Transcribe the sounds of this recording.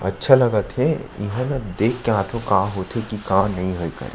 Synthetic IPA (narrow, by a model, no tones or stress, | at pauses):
ɐ̰tːʃʰelɐɡət̪ʰɛ̃ɪ̰ɦə̃nad̪eːkʰːeãːt̪ʰõkaːɦoːt̪ʰekikaːmnɐɦĩɦoekɐ̰ɾḛ